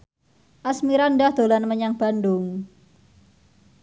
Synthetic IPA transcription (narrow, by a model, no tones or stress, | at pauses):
ʔasmiɾandahd̪̥olanməɲaŋb̥a̤ndʊŋ